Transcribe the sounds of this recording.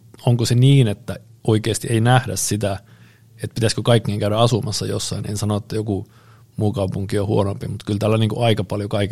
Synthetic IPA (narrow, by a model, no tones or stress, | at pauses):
oŋkoseniːnet̪ːæ | oikeːst̪ieinæhdæssit̪æ | et̪̚pit̪æskøkɑikːeːŋkæyɾæɑsumɑsːɑjo̰sːɑinḛnsɑnoet̪ːæjoku | muːkɑupuŋkiohuonompimut̪kylt̪æːlːæniːŋkṵɑikɑpɑljokɑik